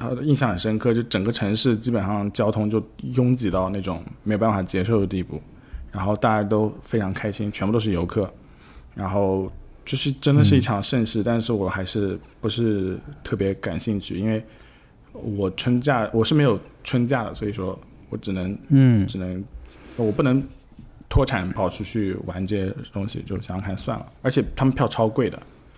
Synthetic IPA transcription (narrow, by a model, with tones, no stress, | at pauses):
ə˧i˥˧nɕjɑ˥˩ŋə˩ʂə˥nkʰɤ˥˩t͡ɕjo˥˧ʊ˥˩ʈ͡ʂə˨˩ŋɡə˦˥ʈ͡ʂʰɤ˧˥ŋʂɻ̩˥˩t͡ɕi˥pə˨˩nʂɑ˥˩ŋt͡ɕjɑ˥ʊt̪ʰʊ˥ŋt͡ɕjo˥˩ʊjʊ˥ŋt͡ɕi˨˩t̪ɑ˥˧ʊna˥˩ʈ͡ʂʊ˨˩˦ŋme˧˥o˨˩a˥˩fa˨˩t͡ɕjɛ˥ʂo˥˩ʊd̪ə˩t̪i˥˧pṵ˥˩ | ɻa˧˥nxo˥˧ʊt̪a˥˧t͡ɕa˥˩t̪o˥ʊfe˥ɪʈ͡ʂʰɑ˧˥ŋkʰa˥ɪɕi˥nt͡ɕʰɛ˧˥pu˥˧o˥ʊʂ̩˥˩jo˧˥ʊkʰɤ˥˩ | ɻa˧˥nxo˥˩˧ʊt͡ɕjo˥˧ʊʂɻ̩˥˩ʈ͡ʂə˥nd̪ə˨ʂɻ̩˥˧i˥˩ʈ͡ʂʰɑ˧˥ŋʂə˥˧nʂɻ̩˥˩t̪a˥˧nʂɻ̩˥˩wɔ˨˩xa˧˥ɪʂɻ̩˥˩pu˧˥ʂɻ̩˥˧t̪ʰɤ˥˩pjɛ˧˥ka˨˩nɕi˥˧ŋt͡ɕʰy˥˩i˥nwe˥˩ɪ | wɔ˨˩ʈ͡ʂʰwə˥nt͡ɕja˥˩wɔ˨˩ʂɻ̩˥˩me˧˥ɪjo˨˩ʊʈ͡ʂʰwə˥nt͡ɕja˥˩d̪ə̰˩swɔ˧˥i˨˩ʂwɔ˥ | wɔ˧˥ʈ͡ʂɻ̩˨˩nɤ˧˥ŋʈ͡ʂɻ̩˨˩nə˧˥ŋ˧˩wɔ˨˩p̬u˥˩nɤ˧˥ŋ | t̪ʰwɔ˥ʈ͡ʂʰa˨˩˦npɑ˨˩ʊt͡ɕʰy˥˧t͡ɕʰy˥˩wa˧˥nʈ͡ʂe˥˩t̪ʊ˥ŋɕḭ˨t͡ɕjo˥˩ʊɕjɑ˥ŋkʰa˥˩nswa˥˩nlə̰˩ə˞˧˥t͡ɕʰjɛ˨˩t̪ʰa˥mə˨npʰjɑ˥˩ʊʈ͡ʂʰɑ˥ʊkwe˥˩ɪd̪ə̰˩